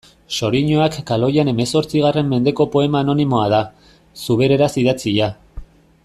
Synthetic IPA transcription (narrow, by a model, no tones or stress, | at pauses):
so̞ɾiɲo̞akːalo̞jane̞me̞so̞ɾt͡siɣ̞are̞mːe̞nd̪e̞ko̞po̞e̞maːno̞nimo̞að̞a | suβe̞ɾe̞ɾasið̞at͡siʎa